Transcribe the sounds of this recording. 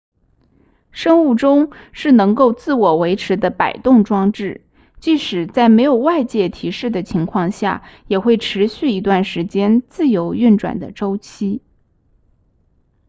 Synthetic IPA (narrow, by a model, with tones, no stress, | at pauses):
ʂɤ˥ŋu˥˩ʈ͡ʂʊ˥ŋʂɻ̩˥˩nɤ˧˥ŋko˥˧ʊt͡sɹ̩˥˩wɔ˨˩we˧˥ɪʈ͡ʂʰɻ̩˧˥d̪ə˧pa̰˨˩ɪt̪ʊ˥˩ŋʈ͡ʂwɑ˥ŋʈ͡ʂɻ̩˥˩ | t͡ɕi˥˩ʂɻ̩˨˩t͡sa˥˩ɪme˧˥ɪjo˨˩ʊwa˥˧ɪt͡ɕjɛ˥˩t̪ʰi˧˥ʂɻ̩˥˩d̪ə˩t͡ɕʰi˧˥ŋkʰwɑ˥˧ŋɕja̰˥˩jɛ˨˩xwe˥˩ɪʈ͡ʂʰɻ̩˧˥ɕy˥˩i˧˥t̪̬wa˥˩nʂɻ̩˧˥t͡ɕjɛ˥nt͡sɹ̩˥˩jo˧˥ʊy˥˩nʈ͡ʂwa̰˨˩nd̪ə̰˦ʈ͡ʂo˥ʊt͡ɕʰi˥